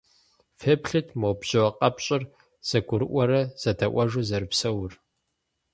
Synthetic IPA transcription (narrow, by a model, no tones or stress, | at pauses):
fepɬɨtʰmowbʑɨwɐqʼɐpɕʼɪr | z̥ɐɡʷʊɾɨʔʷɔɾɐz̥ɐtʰɐʔʷɐʒuzɐɾɨpsɐwʊr